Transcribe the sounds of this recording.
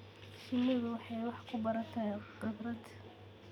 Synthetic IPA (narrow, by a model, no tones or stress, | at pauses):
ʃɪnːɪðʊwɑħɑjwɑħkʰʊbɐɾɐnt̪ʰɐqɪbɾɐd̪